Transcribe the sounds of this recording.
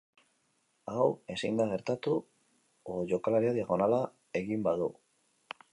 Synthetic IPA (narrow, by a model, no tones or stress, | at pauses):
awe̞sind̪aɣ̞e̞ɾt̪at̪u | oʝo̞kalaɾiaðiaɣo̞nala | e̞ɣimbaðu